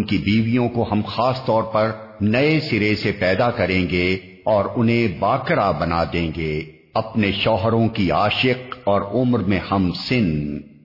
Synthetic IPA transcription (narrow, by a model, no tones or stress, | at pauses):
nkibiːʋijõkoɦɐmxaːst̪ɔːɾpɐɾnɐesɪɾesepɛːd̪akɐɾẽːŋɡe | ɔːɾʊnɦẽbaːkɾabɐnad̪ẽːŋɡeː | ɐpneʃɔːɦɾõkiaːʃɪqɔːɾʊmɾmẽhɐmsɪn